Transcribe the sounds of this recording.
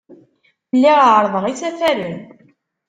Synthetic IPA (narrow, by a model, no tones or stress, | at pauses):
lːiʁaʕɾˤðˤəʁisæθæɾin